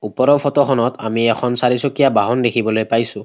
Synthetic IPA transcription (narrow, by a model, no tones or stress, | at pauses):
upɔɾɔpʰɔtɔxʰɔnɔta̰miɛkʰɔnsaɹisokijabaɦɔndekʰibɔlojpajsʊ̃